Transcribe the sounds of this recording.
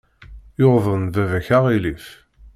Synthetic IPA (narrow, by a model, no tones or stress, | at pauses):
joðˤənvævæçaʁilif